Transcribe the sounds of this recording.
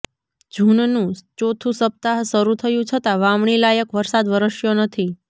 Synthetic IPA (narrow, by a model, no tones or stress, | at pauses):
d͡ʒʱuɳnũt͡ʃot̪ʰũsəp̚t̪aɦsəɾut̪ʰəjũt͡ʃʰət̪aʋamɳilajəkʋəɾsad̪ʋəɾəʃjonət̪ʰi